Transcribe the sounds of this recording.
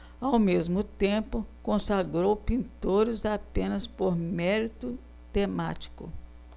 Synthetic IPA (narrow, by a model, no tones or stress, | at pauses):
awmezmʊt̪ẽpʊkõsaɡɾowpĩnt̪oɾɪzapẽnɐspoɾmɛɾit̪ʊ | t̪ema̰t͡ʃi̥kʊ̰